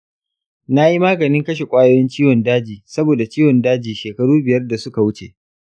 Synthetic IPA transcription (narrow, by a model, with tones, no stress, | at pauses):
na˦ji˦maː˦ɡɐ˨nɪ˦ŋkɐ˦ʃ̬e˨kʷʼaː˦joː˦jɐ˦nt͡ʃiː˦wɔ˨ndaː˦d͡ʒiː˨sɐ˦boː˨da˨t͡ʃiː˦wɔ˨ndaː˦d͡ʒiː˨ʃeː˨kɐ˦ɽuː˦bɪ˨jɐ˦rda˨sʊ˦ka˨wʊ˦t͡ʃḛ˨ʔ